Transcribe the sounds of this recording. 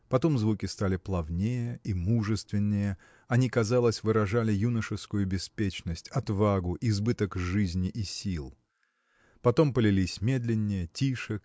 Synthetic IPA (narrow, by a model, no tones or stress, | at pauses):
pɐt̪o̞mzvukʲɪst̪alʲɪplˠɐvnʲejəimuʐɨst̪vʲɪnʲːɪjə | ɐnʲikɐzalˠəsʲvɨɾɐʐalʲɪjunəʂɨfskʊjʊbʲɪspʲet͡ɕnəsʲtʲɐt̪vaɡʊʔɪzbɨt̪əkʐɨzʲnʲɪʔisʲilˠ | pɐt̪o̞mpəlʲɪlʲisʲmʲe̞d̪lʲɪnʲːɪjətʲiʂɨk